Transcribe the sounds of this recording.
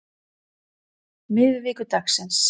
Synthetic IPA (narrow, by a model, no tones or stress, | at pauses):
mɪðɪviːkʏt̪aksɛns